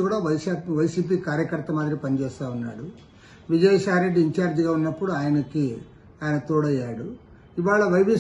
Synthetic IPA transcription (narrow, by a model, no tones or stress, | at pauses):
kuːɽaːʋɐjaʋɐjsiːp̬iːkaːɾjɐkɐɾt̪ːɐmaːd̪ɾipɐnit͡ʃɛːst̪aːunːa̰ːɽu | ʋid͡ʒɐjɐsaːɾeɖːiɲt͡ʃaːɾd͡ʒiɡaːunːɐpːuɽuaːjɐnɐki | aːjɐnɐt̪uːɽɐjːaːɽu | iʋaːɭɐʋɐjʋi